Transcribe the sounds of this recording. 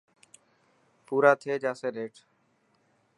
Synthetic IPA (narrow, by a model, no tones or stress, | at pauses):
puːɾaːt̪ʰeːd͡ʒaːseːɾeːʈʰ